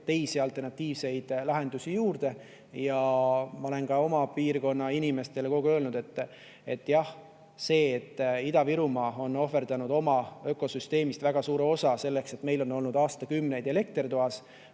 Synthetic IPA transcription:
t̪e̞jsiɑlt̪ˑe̞rnɑt̪ʲːˑiːvse̞jd̪̥lɑɦe̞nd̪usʲijuːrd̪̥e̞ | jɑmɑo̞le̞nkɑo̞mɑpiːrko̞nːɑinʲime̞st̪e̞leko̞ɡ̥eø̞ːlnud̪e̞t̪ːˑ | e̞t̪ːˑjɑh | se̞ːt̪ːid̪̥ɑviɾumɑo̞no̞fe̞rd̪̥ɑnud̪̥o̞mɑø̞ːkˑo̞syst̪e̞ːmist̪væɡ̥ɑsuːɾeo̞sɑse̞lːe̞kse̞t̪me̞jlo̞nːo̞lnud̪ɑːst̪ɑkymːne̞jd̪̥e̞le̞k̚t̪rt̪oɑs

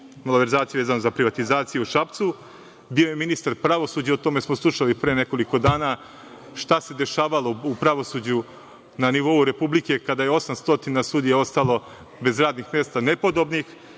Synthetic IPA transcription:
moloʋe̞ɾzaːt̪ijeʋe̞ːzanozapɾiʋat̪izaːt̪sijeuʃap̚t̪su | bio̞jeminist̪aɾpɾaʋo̞suːd͡ʑeot̪o̞me̞smoslˠuʃalipɾeːne̞ko̞liko̞d̪aːna | ʃt̪ase̞d̪e̞ʃaːʋalˠo̞upɾaʋo̞sud͡ʑu | naniʋo̞uɾe̞publike̞kad̪ajeo̞samst̪o̞t̪inasuːd̪ijao̞st̪alˠo̞ | be̞zɾaːd̪nixmje̞ːst̪ane̞po̞d̪o̞bnix

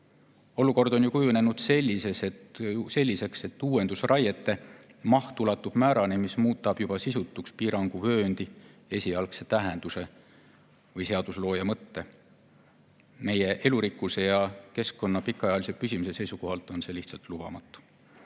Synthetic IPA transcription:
o̞luko̞rd̪̥o̞njukujune̞nud̪̥se̞lʲːise̞se̞t̪se̞lʲːise̞kse̞t̪ːuːwe̞nd̪̥usrɑjet̪ːˑe̞mɑhtt̪ːulɑt̪ːˑub̥mæːɾɑnemismuːt̪ːˑɑb̥jub̥ɑsisut̪ːˑukspiːɾɑŋɡ̥uvø̞ːnd̪̥ie̞sʲiɑlkse̞t̪æɦe̞nd̪use̞ | vɤjse̞ɑd̪̥uslo̞ːjɑmɤt̪ːe̞ | me̞jeʔe̞luɾikːˑuse̞jɑke̞skko̞nːɑpikːˑɑjɑlisepysʲimuse̞se̞jsuko̞ɦɑlt̪ːˑo̞nse̞ːliht̪sɑlt̪lub̥ɑ̰mɑt̪ːˑu̥

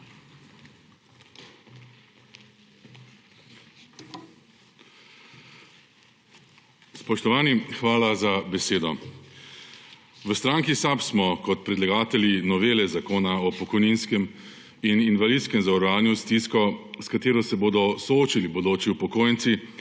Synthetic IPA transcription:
spɔʃt̪ɔʋaːnixʋaːlazabɛseːd̪ɔ | ʋəst̪ɾaːŋkisapsmɔkɔt̪̚pɾɛd̪laɡaːt̪ɛljinɔʋeːlɛzakoːnaɔpɔkɔjninskɛm | ininʋalid̪t̪skɛmzaɾaːnjust̪iskɔskat̪eːɾɔsɛboːd̪ɔsɔoːt͡ʃilibɔd̪oːt͡ʃiupɔkoːjɛnt̪si

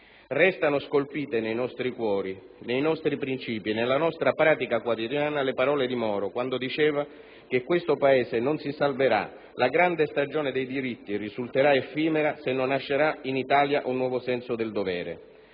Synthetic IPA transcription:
rɛst̪anʊskolpiːt̪enejnɔst̪ɾikwɔːɾi | nejnɔst̪ɾipɾint͡ʃiːpinelːanɔst̪ɾapɾaːt̪ikakwat̪id̪jaːnalepaɾɔːled̪imɔːɾokwand̪od̪it͡ʃɛːva | k̟ekːwest̪opaɛːsenʊnsisalveɾa̰ | laɡɾand̪est̪ad͡ʒoːned̪ejd̪iɾit̪ːirizult̪eɾaefiːmeɾasenːonːaʃːeɾainit̪aːljaʔunːwɔːvosɛnsʊd̪eld̪ovɛːɾḛ

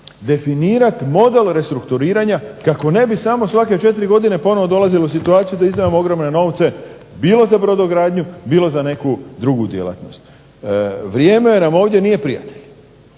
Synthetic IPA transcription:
d̪e̞finiːɾat̪mo̞d̪e̞lɾe̞st̪ɾukt̪uɾiːɾaɲakako̞ne̞bisamo̞sʋaket͡ʃe̞t̪ɾiɡo̞d̪ine̞po̞no̞ʋo̞d̪o̞lˠazileus̬it̪uaːt̪sijud̪aizd̪ajemoo̞ɡɾo̞mne̞no̞ːʋt̪se̞ | biːlo̞zabɾo̞d̪o̞ɡɾaːd̪ɲubiːlˠo̞zane̞kud̪ɾuɡud̪jḛlˠa̰t̪no̞̰st̪ | ʋɾje̞ːme̞namo̞ːʋd̪je̞nije̞pɾija̰t̪e̞ʎ

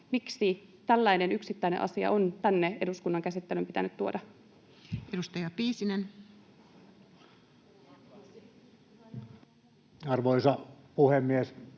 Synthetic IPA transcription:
miksit̪ælːæine̞nyksit̪ːæineʔɑ̰siɑ̰ʔont̪ænːeeduskunːɑŋkæsit̪ːelympit̪ænyt̪t̪uo̞dɑ | edust̪ɑjɑpiːsinen | ɑrʋoisɑpuhemːies

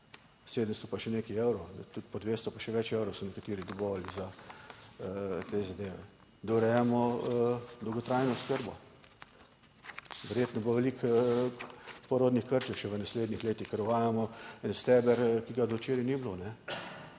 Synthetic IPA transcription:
seːd̪əmst̪ɔpaʃɛneːkiewɾɔwt̪ut̪̚pɔd̪ʋeːst̪ɔpaʃɛʋɛt͡ʃewɾɔwsɔnɛkat̪iːɾid̪ɔboʋaliza | t̪ezad̪eːʋɛ̰ | d̪ɔɾɛjamɔ | d̪ɔwɡɔt̪ɾajnɔʊskəɾbɔ | ʋɛɾjeːt̪nɔboʋɛlik | pɔɾoːd̪nixkəɾt͡ʃɛwʃɛʋənasleːd̪nixleːt̪ixkəɾɔʋaːjamɔɛnst̪ɛbɛɾkiɡad̪ɔwt͡ʃeːɾiniblonɛ

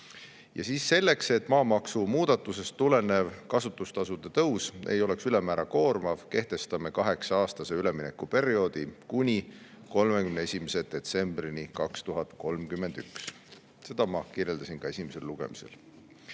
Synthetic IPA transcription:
jɑ̰siːsːe̞lːe̞kse̞t̪ːmɑːmɑksumuːd̪̥ɑt̪ːˑuse̞st̪ːule̞ne̞vkɑsut̪ːˑust̪ɑsud̪̥et̪ɤwsejo̞le̞ksylemæːɾʔɑko̞ːrmɑvke̞ht̪e̞st̪ɑme̞kɑɦe̞ksɑɑːst̪ɑse̞yle̞mine̞kːupe̞ɾio̞d̪̥ikunʲi | ko̞lmekymnee̞sʲimese̞d̪̥e̞t̪se̞mb̥rinikɑkst̪uɦɑt̪ko̞lmkymːe̞nd̪̥yks | se̞d̪̥ɑmɑkirje̞ld̪ɑsinkɑe̞sʲimese̞lːuɡ̥e̞̰mise̞̰l

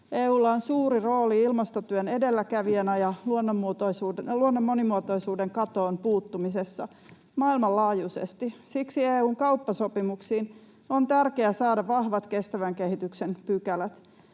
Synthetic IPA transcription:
eːuːlːɑonsuːɾiro̞ːliilmɑst̪ot̪yøne̞delːækæʋienɑjɑluonːomːuot̪oisuːluonːomːonimuot̪o̞isuːdeŋkɑt̪o̞ːnpuːt̪ːumisesːɑ | mɑilmɑllɑːjusḛst̪isiksieːuːŋkɑupːɑsopimuksiːn | ont̪ærkeæsɑːdɑʋɑhʋɑt̪ke̞st̪æʋæŋkehit̪yksenpykælæt̪

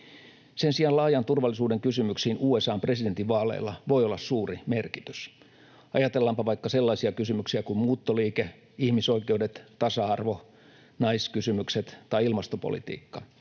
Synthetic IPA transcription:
sensiɑnlɑːjɑnt̪urʋɑlːisuːdeŋkysymyksiːnuːesɑːmpreside̞nt̪iʋʋɑːlḛilːɑʋoijolːɑssuːrimerkit̪y̥s | ɑjɑt̪elːɑmpɑʋɑikːɑselːɑisiɑkysymyksiækummuːt̪ːoliːke | ihmiso̞ikeudet̪t̪ɑsɑɑrʋo | nɑiskysymykset̪t̪ɑiilmɑst̪opo̰lḭt̪ḭːkːɑ

